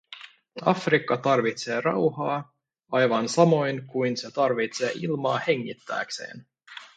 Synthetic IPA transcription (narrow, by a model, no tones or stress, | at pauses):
ɑfrikːɑt̪ɑrʋit̪se̞ːrɑwhɑː | ɑjʋɑnsɑmo̞jnkujnse̞t̪ɑrʋit̪se̞ːʔilmɑːhe̞ŋːit̪ːæ̰ːkse̞̰ːn